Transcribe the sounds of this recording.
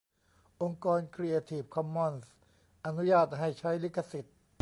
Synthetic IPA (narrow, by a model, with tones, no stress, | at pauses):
ʔo˧ŋkɔː˧nkʰɾi˧ʔe˧t̪ʰiː˨˩p̚kʰɔ˧mːɔ˧˩ns | ʔa˧nu˦˥jaː˥˩t̪̚ɦa˥˩jt͡ɕʰa˦˥jli˦˥kʰːa˧si˨˩t̪̚